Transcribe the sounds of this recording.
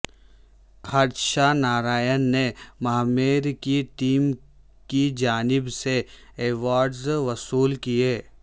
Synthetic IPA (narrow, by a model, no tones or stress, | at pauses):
xat̪ʃanaːɾaːjənːemɐɦmeːɾkiʈiːm | kid͡ʒaːnɪbse | eːʋaːɾɖzʋɐsuːlkijeː